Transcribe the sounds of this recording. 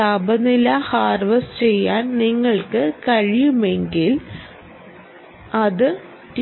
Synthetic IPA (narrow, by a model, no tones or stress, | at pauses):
aːbɐnilɐhaːrʋɐst͡ɕe̞jːaːnniŋːɐɭkɨkɐɻijume̞ŋɡil | ɐðɨ | ʈ